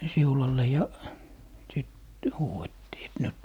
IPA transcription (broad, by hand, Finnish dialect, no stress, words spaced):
siulɑlːe jɑ sit huːetːiː et nyt